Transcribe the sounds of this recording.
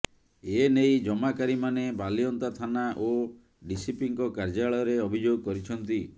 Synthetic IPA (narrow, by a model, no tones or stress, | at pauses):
enejd͡ʒɔmakaɾimanebaliɔnt̪at̪ʰanaʔo | ɖisipiŋkɔkaɾd͡ʒaɭɔjɔɾeɔbʱid͡ʒoɡɔkɔɾit͡ʃʰɔnt̪i